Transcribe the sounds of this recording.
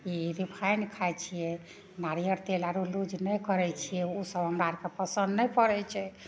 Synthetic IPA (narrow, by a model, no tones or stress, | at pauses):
iɾipʰajnkʰajt͡ʃʰijɛ | naɾijəɾt̪elaɾulud͡ʒnɛjkəɾɛt͡ʃʰijɛosəbɦəmɾaɾkepəsənd̪nɛjpəɾɛt͡ʃʰɛ